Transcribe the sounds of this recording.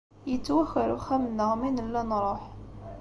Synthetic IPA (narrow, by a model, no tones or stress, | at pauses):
jət͡sːwæxːəɾuxæmənːəʁminəlːænɾˤoħ